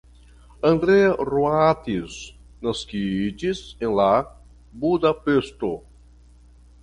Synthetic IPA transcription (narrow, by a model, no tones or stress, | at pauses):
ɐ̃nd̪ɾeɐruat̪iz | nɐskid͡ʒizẽla | bud̪apest̪o